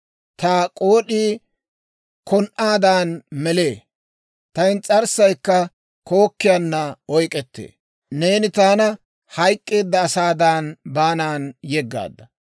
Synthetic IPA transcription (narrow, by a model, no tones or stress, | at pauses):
t̪aːkʼo̞ːɗiː | kʰɔnʔaːd̪aːnmɛleː | t̪ɐjnt͡sʼɐɾsɐjkːɐ | ko̞ːkːɪjaːnːɐɔjkʼɛt̪ːḛː | ne̞ːnɪt̪aːnɐ | hɐjkʼːeːd̪ːɐːsaːd̪aːnbaːnaːnjɛɡːa̰ːd̪ːɐ